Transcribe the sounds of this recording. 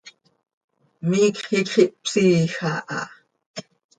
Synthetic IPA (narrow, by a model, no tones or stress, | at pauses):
miːkχikχiʔpsiːxaʔɑ̰